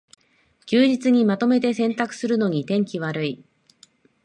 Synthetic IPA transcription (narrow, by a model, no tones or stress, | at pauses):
kʲɨːd͡ʑit͡sɨɲ̟imat̪o̞me̞t̪e̞sẽ̞nt̪akɯ̟̥sɨɾɯ̟no̞ɲ̟it̪ẽ̞ŋkʲiβaɾɯ̟i